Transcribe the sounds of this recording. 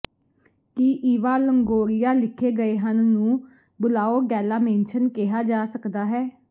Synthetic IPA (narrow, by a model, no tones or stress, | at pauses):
kiʔiːʋaːləŋɡoːɾɪjaːlɪkʰːeːɡəeːɦənːũː | bʊlaːoːɡɛːlaːmẽːnʃənkɪɦaːd͡ʒaːsəkd̪aːɦɛː